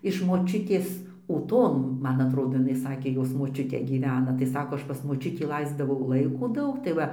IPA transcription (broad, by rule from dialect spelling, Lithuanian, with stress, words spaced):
ɪʃ moːˈt͡ʃʲʊtʲeːs uːˈtoːn ˈmɐn ɐtˈroːdoː jɪˈnɐɪ ˈsɑːkʲeː ˈjoːs moːˈt͡ʃʲʊtʲeː ɡʲiːˈʋʲæːnɐ tɐɪ ˈsɑːkoː ˈɐʃ ˈpɐs moːˈt͡ʃʲʊtʲiː ˈlˠɐɪzdɐʋɐʊ ˈlˠɐɪkoː ˈdɐʊk tɐɪ ˈʋɐ